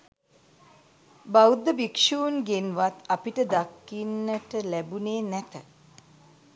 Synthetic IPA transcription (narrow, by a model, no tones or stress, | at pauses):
bawd̪ːəbikʃuːnɡenʋat̪apiʈəd̪akːinːəʈəlæbuneːnɛt̪ə